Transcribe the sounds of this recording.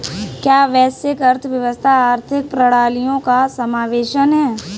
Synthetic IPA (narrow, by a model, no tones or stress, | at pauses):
kjaːʋɛːsekɐɾt̪ʰʋjɐʋəst̪ʰaaːɾt̪ʰɪk̚pɾɐɽaːlijõkasɐmaːʋeːʃənɦɛː